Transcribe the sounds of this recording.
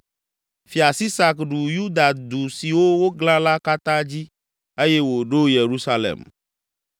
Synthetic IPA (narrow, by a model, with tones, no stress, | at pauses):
fi˨a˨si˦sa˨kɖu˨ju˦d̪a˨d̪u˨si˨wo˦wo˦ɡlã˦la˦ka˦t̪ã˦d͡ʑi˦ | e˦je˦wo˨ɖo˦je˨ɾu˦sa˦lḛ˨m